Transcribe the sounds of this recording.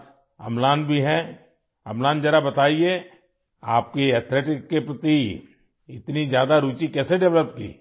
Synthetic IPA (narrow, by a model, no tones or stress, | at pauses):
ɐ̰mlaːnbʱiɦɛ | ɐ̰mlãːnd͡ʒɐɾabɐt̪aːie | a̰ːp̚keɛːt̪ʰleːʈɪkːepɾɐt̪i | ɪt̪nizjaːd̪aɾuːt͡ʃikɛːseɖɛʋləpkḭː